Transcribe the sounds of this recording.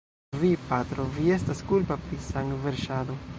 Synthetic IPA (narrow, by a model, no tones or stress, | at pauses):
vipat̪ɾo̞vie̞staskulpapɾisaŋktveɾʃad̪o